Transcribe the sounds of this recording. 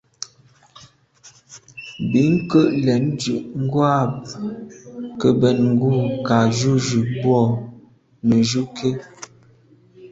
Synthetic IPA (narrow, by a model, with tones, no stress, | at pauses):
bi˨˦ŋ̩˦kə˦˨ʔlɛ˨˦nd͡ʒʉ˨ʔŋ̩˦ɡwa˦p | kə˨bɛ˨t̚ŋ̩˦ɡu˦˨ka˨ʒu˦˨ʒʉ˨bwɔ˦˨ | nə˨ʒu˦kʰe˦